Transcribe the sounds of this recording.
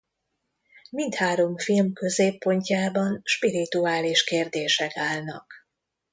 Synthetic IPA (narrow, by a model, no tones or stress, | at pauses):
mint̪haːɾo̞mfilmkø̞zeːpːo̞ɲcaːbɒnʃpiɾit̪uaːliʃkeːrd̪eːʃɛkaːlnɒ̰k